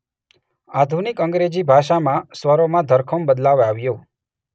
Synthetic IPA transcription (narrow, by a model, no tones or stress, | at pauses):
ad̪ʱunikəŋɡɾed͡ʒibʱaʃamãsʋəɾomãd̪ʱəɾkʰəmbəd̪laʋaʋjõ